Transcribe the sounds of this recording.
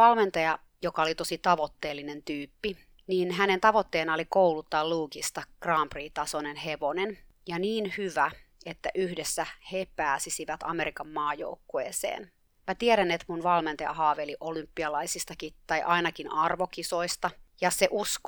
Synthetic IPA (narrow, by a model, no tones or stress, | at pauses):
ɑlment̪ɑjɑ | jokɑolit̪o̞sit̪ɑʋo̞t̪ːe̞ːlːine̞nt̪yːpːi | niːnɦænent̪ɑʋot̪ːeːnɑolikoulut̪ːɑːluːkist̪ɑkrɑːmpriːt̪ɑsonenɦeʋonenjɑniːnhyʋæet̪ːæʔyhdesːæhepæːsisiʋæt̪ɑ̰me̞ɾikɑmːɑːjo̰ukːoḛːsḛːn | mæt̪ieɾænet̪munʋɑlment̪ɑjɑ̰ɦɑːʋeliʔolympːiɑlɑisist̪ɑkit̪ɑjʔɑinɑkinʔɑrʋokisoist̪ɑjɑseʔusk